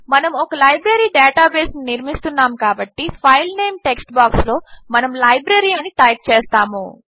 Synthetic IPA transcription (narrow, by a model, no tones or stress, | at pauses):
mɐnɐmɔkɐlɐjbɾɐɾiːɖɛːʈaːbeːsniniɾmist̪unːaːmkaːbɐʈːipʰɐjlneːmʈeksʈbaːkslo̞ːmɐnɐmlɐjbɾɐɾiɐniʈɐjp̚t͡ʃɛːst̪aːmu